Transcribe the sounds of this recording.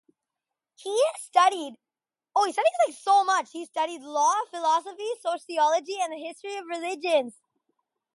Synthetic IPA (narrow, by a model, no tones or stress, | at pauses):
histʌɾid | oʊhistʌɾizlaɪksoʊmʌt͡ʃhistʌɾidˡlɔfɨlɑsəfisoʊʃiɑlˠəd͡ʒiɨ̃nðɨɦɪstɹ̥iʌvɹɨlɪd͡ʒɨ̃nz̥